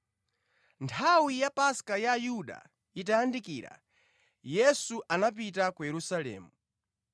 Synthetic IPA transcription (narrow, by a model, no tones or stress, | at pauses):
ntʰawijapaskajaːjuɗa̰ | itaːndikiːɾa̰ | jɛsuʔanap̬it̬akujɛɾusalɛ̰ːmu